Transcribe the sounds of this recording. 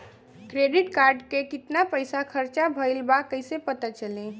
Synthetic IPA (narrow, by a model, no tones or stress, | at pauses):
kɾeɖiʈkaɾɖkekit̪napəjsakʰəɾt͡ʃabʱəɪlbakəjsepət̪at͡ʃəli